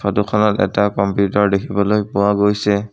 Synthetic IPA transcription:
pʰadukʰɔnɔtɛ̰takɔmpjutɔɹdekʰibɔlojpʊwaɡojsɛ

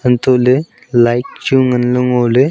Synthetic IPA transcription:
ənt̪ole | lajk̚t͡ɕuŋənləŋole

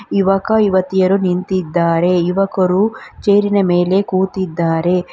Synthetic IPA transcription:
iʋɐkɐiʋɐt̪ijɐɾunint̪id̪ːaːɾe̞iʋɐkɐɾut͡ʃeːɾinɐme̞ːle̞kuːt̪id̪ːaːɾe̞

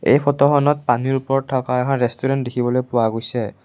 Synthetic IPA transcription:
ḛjpʰɔtɔxɔnɔt̚paniɹupɔɹɔtʰːɔkaɛkʰɔnɹɛstuɹɛntdekʰibɔlojpʊwaɡojsɛ

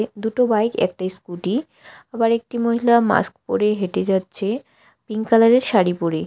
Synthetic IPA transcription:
d̪uʈobajkɛ̰k̚ʈajskuʈi | abaɾek̚ʈimoɦilama̰skpo̰ɾeɦeʈed͡ʑatːɕʰe | piŋkalaɾeɾʃaɾipoɾe

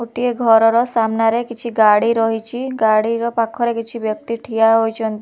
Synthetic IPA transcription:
uʈieɡʱɔɾɔɾɔsamnaɾekit͡ʃʰiɡaɽiɾɔɦit͡ʃʰiɡaɽiɾɔpakʰɔɾekit͡ʃʰibjɔk̚t̪iʈʰijaɦojt͡ʃʰɔnt̪i

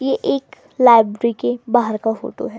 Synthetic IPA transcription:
jeʔeːk | laːɪbɾɾikebaːɦəɾkafo̰ːʈo̰ɦɛː

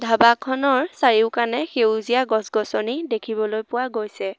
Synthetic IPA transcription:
dʱabakʰɔnɔɹsaɹiʊkanɛxewzijaɡɔsɡɔsɔnidekʰibɔlojpʊwaɡojsɛ

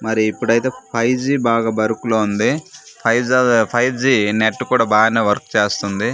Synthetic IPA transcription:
mɐɾiːpːuɽɐjt̪e̞ːpʰɐjd͡ʒiːbaːɡaːbɐɾukuloːund̪ipʰɐjd͡ʒɐpʰɐjd͡ʒiːneʈːkuːɽaːbaːɡɐneːʋɐɾkt͡ʃe̞ːst̪und̪i

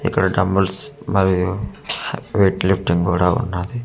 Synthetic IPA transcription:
ḭkːɐɽɐɖɐmbəlsmɐɾiju | ʋeːʈlipʰʈiŋɡuːɽaṵnːad̪i

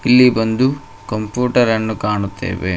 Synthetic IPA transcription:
ilːibɐnd̪u | kɐmpjuːʈɐɾɐnːukaːɳut̪ːḛːʋḛ

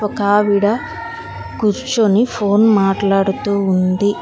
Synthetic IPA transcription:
ɔkaːʋiɽɐ | kuɾt͡ʃonipʰoːnmaːʈlaːɽut̪uːund̪i

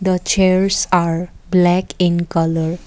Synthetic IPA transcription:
d̪ət͡ʃeɾsaɾblɛkĩnkʌləɾ

